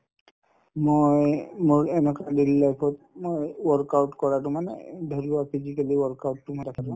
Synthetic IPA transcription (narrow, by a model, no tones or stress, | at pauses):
mojmoɹɛnɔkadilːajpʰɔt̚mojwɔɹkawtkɔɹatʊmanɛ̰dʱɔluapʰizikaliwɔɹkawtːʊmojdakʰatʊ̃